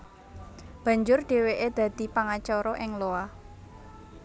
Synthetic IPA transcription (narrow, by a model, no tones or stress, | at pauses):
b̥ä̤ɲd͡ʒʊrɖ̪̥e̤weʔed̪̥ä̤d̪̥i̤paŋat͡ʃɔɾɔʔɪŋloah